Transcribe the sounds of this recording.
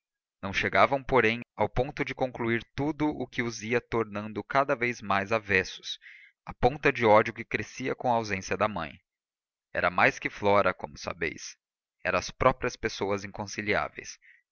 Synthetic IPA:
nɐ̃w̃ʃeɡavɐ̃w̃poɾẽj̃awpõt̪ʊd͡ʒɪkõŋkluiɾt̪ud̪ʊʔʊkɪʊziɐt̪oɾnɐ̃nd̪ʊkad̪ɐvejzmajzavɛsʊ̥s | ɐpõt̪ɐd͡ʒɪɔd͡ʒʊkɪkɾesiɐkõw̃ɐawzẽsiɐd̪ɐmɐ̰̃j̃ | ɛ̰ɾɐmajskɪflɔɾɐkõ̰mʊsa̰bḛjs | ɛ̰ɾɐ̃ɐspɾɔpɾiɐspesowɐzĩŋkõsilia̰vḛjs

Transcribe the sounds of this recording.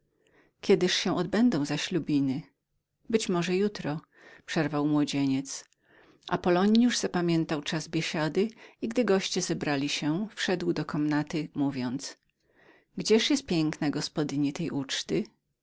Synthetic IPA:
kʲjɛd̪ɘʂɕɛ̃ʔɔd̪bɛnd̪ɔ̃w̃zaɕlʲubʲinɘ | bɘt͡ɕmɔʐɛjut̪ɾɔ | pʂɛɾvawmwɔd͡ʑeɲɛt̪s | ʔa̰pɔlɔɲjuʐz̥apamʲjɛnt̪awt͡ʂazbʲjeɕad̪ɘiɡd̪ɘɡɔɕt͡ɕɛzɛbɾalʲiɕɛfʂɛd̪wd̪ɔkʰɔmnat̪ɘmuvʲjɔnt̪s | ɡd͡ʑɛʂjɛst̪̚pʲjɛŋknaɡɔspɔd̪ɘɲit̪ɛjʔut͡ʂt̪ɘ

